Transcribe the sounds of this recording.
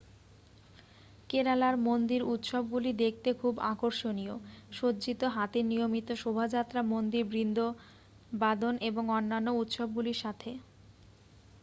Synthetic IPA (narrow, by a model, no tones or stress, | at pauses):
keɾalaɾmond̪iɾut̪ʃob̚ɡulid̪ek̚ʰt̪ekʰubakoɾʃonioʃod͡ʑit̪oɦat̪inijomit̪oʃobʱad͡ʑat̪ːɾamond̪iɾbɾind̪ʱo | bad̪ʱonʔeboŋonːanːout̪ʃɔb̚ɡuliɾʃat̪ʰe